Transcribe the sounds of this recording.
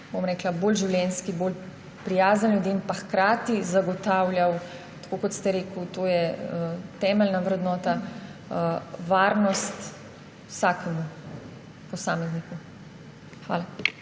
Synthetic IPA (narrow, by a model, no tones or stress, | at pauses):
bomɾɛːklaboːlʒiwlʲjɛnskiboːl | pɾijaːzənljud̪iːmpaxkɾaːt̪izaɡɔt̪aːwljaw | t̪ḁkokɔt̪st̪ɛɾeːkut̪oːjɛ | t̪ɛːmɛlnaʋɾɛd̪nɔːt̪a | ʋaːɾnɔst̪ | wsaːkɛmu | pɔsaːmɛzniku | xʋa̰ːla